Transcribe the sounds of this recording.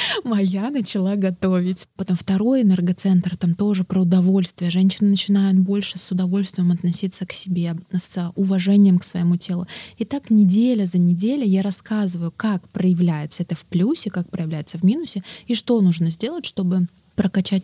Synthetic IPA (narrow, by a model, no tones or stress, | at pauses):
mɐjanət͡ɕɪlˠaɡɐt̪ovʲɪtʲpɐt̪omft̪ɐɾo̞jɪnɛrɡɐt̪sɛnt̪rt̪amt̪o̞ʐɨpɾəʊd̪ɐvo̞lʲst̪vʲɪjəʐɛnʲɕɪnɨnət͡ɕɪnajʊt̪̚bo̞lʲʂɨsʊd̪ɐvo̞lʲst̪vʲɪjəmɐt̪nɐsʲit̪səksʲɪbʲesʊvɐʐɛnʲɪjəmksvə̰jɪmutʲe̞lˠʊɪt̪aknʲɪdʲelʲəzənʲɪdʲelʲʊjaɾɐskazɨvəjʊkakpɾəjɪvlʲæjɪt̪səɛt̪əfplʲusʲɪkak̚pɾəjɪvlʲæjɪt̪səvmʲinʊsʲɪiʂt̪o̞nuʐnəzʲdʲe̞lˠətʲʂt̪o̞bɨ | pɾəkɐt͡ɕæt̚ʲ